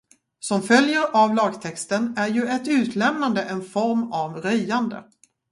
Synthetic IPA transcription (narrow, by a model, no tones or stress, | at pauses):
sɔmfœljəɾavlɑːɡt̪ʰɛkst̪ənæɾjɵɛt̪ʉ̟ːt̪ʰlɛmnand̪əʔɛnfɔɾmavɾœjand̪ə̰